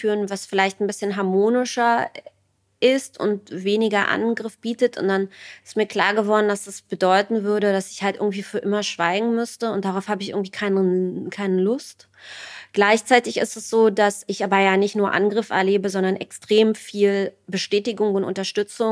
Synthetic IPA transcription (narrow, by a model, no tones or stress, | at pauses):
fyːʁənvasfɪlaɪçtn̩bɪsçənɦaɐmoːnɪʃɐ | ʔɪstʊ̰ntveːnɪɡɐʔa̰nɡʁɪfb̥iːtətʊ̰ntd̥anɪ̥stmiːɐkl̥a̰ːɐɡəvɔɐdn̩dasd̥asb̥ədɔʏtn̩vʏɐɾəɾasɪ̥çhaltʔɪɐɡŋ̩tv̥iːfyːɐʔɪmɐʃv̥a̰ɪɡŋ̩mʏstəʊnt̚d̥aʁaʊfhaːbəɪçʔɪ̰ɐɡŋ̩tv̥iːkʰaɪnkʰaɪnəlʊst | ɡ̥laɪçt͡saɪtɪçɪ̰stɛsz̥oːdasɪçʔaːbɐjaːnɪçtnuːɐʔa̰nɡʁɪfʔɛ̰ɐleːbəzɔndɐnʔɛ̰kstʁ̥eːmfiːlbəʃtɛːtɪɡʊŋʊntʊ̰ntɐʃtʏt͡sʊŋ